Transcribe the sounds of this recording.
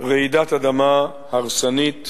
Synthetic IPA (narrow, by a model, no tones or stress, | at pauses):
ʁɛid̪at̪ad̪ama | haʁsanit̪